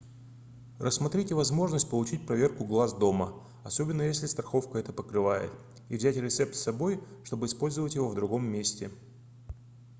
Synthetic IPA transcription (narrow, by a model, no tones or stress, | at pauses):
rʔəsmɐt̪ɾʲitʲɪvɐzmo̞ʐnəsʲtʲpəlˠʊt͡ɕitʲpɾɐvʲe̞rkʊɡlˠazd̪o̞mə | ɐso̞bʲɪnːəjesʲlʲɪst̪ɾɐxo̞fkəɛt̪əpəkɾɨvajɪ̰t̪ | ivzʲætʲɾʲɪt̪sɛpt̪sːɐbo̞jʂt̪o̞bɨɪspo̞lʲzɨvətʲjɪvo̞vd̪ɾʊɡo̞mːʲesʲtʲɪ